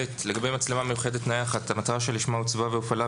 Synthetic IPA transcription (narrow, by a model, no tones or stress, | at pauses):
etleɡabejmat͡slemame̞juχe̞d̪et̪najaχat̪amat̪aʁaʃeliʃmaut͡svaveufala